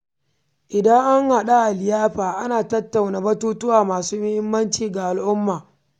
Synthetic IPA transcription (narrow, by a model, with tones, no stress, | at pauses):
ʔɪ˨dɐ˦ŋʔa˦ŋha˨ɗa˦ʔa˨lɪ˨jaː˦ɸaː˨ʔa˦naː˨tɐ˦tːa˨wna˨bɐ˦tuː˦tʊ˦waː˨maː˨suː˦mɪ˦hɪ˦mːɐ˦nt͡ʃiː˨ɡa˨ʔa˨lʔʊ˦mːaː˨